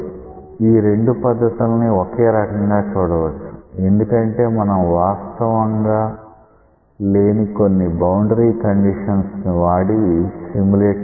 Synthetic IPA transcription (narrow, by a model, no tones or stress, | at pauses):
iːɾe̞ɳɖupɐd̪ːɐt̪ulniokeːɾɐkɐŋɡaːt͡ʃuːɽɐʋɐt͡ʃːu̥e̞nd̪ukɐɳʈe̞ːmɐnɐmʋaːst̪ɐʋɐŋɡaː | le̞ːniko̞nːibɐwɳɖɾiːkɐɳɖiʂɐnsniʋaːɽisimuleː